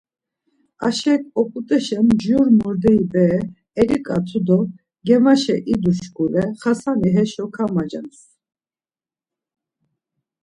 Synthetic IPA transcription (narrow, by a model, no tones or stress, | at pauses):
a̰ʃɛkʼɔpʼut̪ʼɛʃɛmd͡ʒuɾmɔɾd̪ɛibɛː | ɾikʼat̪ʰud̪ɔ | ɡɛmaʃɛʔid̪uʃkʼuɾɛχasaniɦɛʃɔkʰamad͡ʒa̰ns